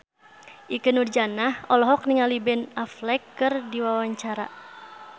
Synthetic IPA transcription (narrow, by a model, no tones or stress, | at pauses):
ʔikənurd͡ʒanahɔlɔɦɔk̚niŋalibɛnaflɛkːɨrdiwawaɲt͡ʃaɾa̰